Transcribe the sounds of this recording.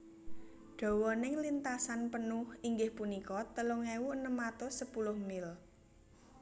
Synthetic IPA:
ɖ̥ɔ̤wɔnɪŋlint̪asanpənʊhiŋɡɪhpunikɔt̪əloŋɛwuənəmːat̪osəpulʊhmɪl

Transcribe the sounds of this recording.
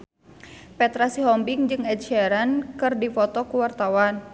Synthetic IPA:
pɛt̪ɾasiɦɔmbiŋd͡ʒɨŋɛd̪̚ʃɛɾankɨrdifɔt̪ɔkuwart̪awan

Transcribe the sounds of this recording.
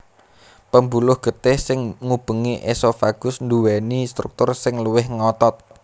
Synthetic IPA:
pəmbulʊhɡ̥ət̪ɪhsɪŋŋub̥ə̤ŋiʔesɔfaɡ̥ʊsnd̪uwɛnist̪ɾuk̚t̪ʊrsɪŋluwɪhŋɔt̪ɔt̪̚

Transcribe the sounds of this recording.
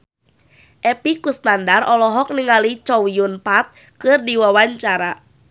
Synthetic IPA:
ʔɛpikust̪andarʔɔlɔɦɔk̚niŋalit͡ʃɔwiunpat̪̚ | kɨrdiwawaɲt͡ʃaɾa

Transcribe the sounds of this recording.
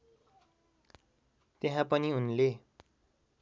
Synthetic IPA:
t̪eɦãpʌniunle

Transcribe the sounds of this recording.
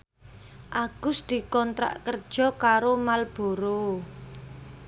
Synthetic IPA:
ʔaɡ̥ʊsd̪̥i̤kɔnt̪ɾa̰ʔkərd̥ʒ̥ɔ̤kaɾomalb̥o̤ɾo

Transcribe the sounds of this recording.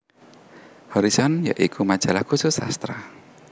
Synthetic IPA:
hɔɾisɔnjaʔikʰumad̥ʒ̥alahkusʊsa̰st̪ɾa

